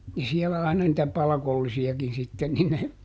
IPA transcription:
jɑ siɛlæ ɑinɑ nitæ pɑlɑkolːisiɑkin sitːen ni ne

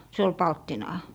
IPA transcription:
se ol pɑltːinɑː

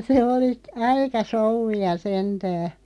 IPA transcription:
se oli ɑikɑ soŭʋːiɑ sentæː

